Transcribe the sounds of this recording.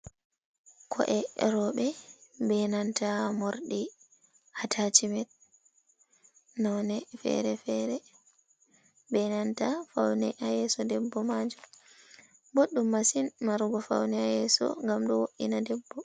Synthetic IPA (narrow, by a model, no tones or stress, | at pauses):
kʰɔ̰ʔɛɾɔɓɛbɛnantamoɾɗi | hatʰat͡ʃimɛt̚ | nɔnɛfɛ̰ɾɛfɛɾɛ | bɛnantafawnɛʔajɛsɔdɛbːɔmad͡ʒu | boɗːumːasinmaɾɡɔfa̰wnɛajɛsɔ̰ŋɡamɗɔwoʔḭnadɛbːɔ